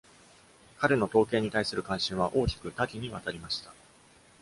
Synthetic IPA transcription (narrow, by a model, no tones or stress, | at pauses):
kaɾeno̞t̪o̞ːke̞ːɲ̟it̪aisɨɾɯ̟kãɰ̃ɕĩɰ̃β̞aʔo̞ːkʲi̥kɯ̟t̪akʲiɲ̟iβat̪aɾʲimaɕi̥t̪ḁ